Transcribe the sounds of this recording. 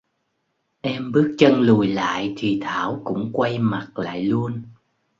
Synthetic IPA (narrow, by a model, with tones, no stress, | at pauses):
ʔɛ˧mɓɨ˦˥ək̚t͡ɕə˧nlu˨˩jla̰ː˧˨jt̪ʰi˨˩t̪ʰaː˧˩wkʊ̰˧˥ŋ͡mkwa˧jma˨˩t̚la̰ː˧˨jlu˧ən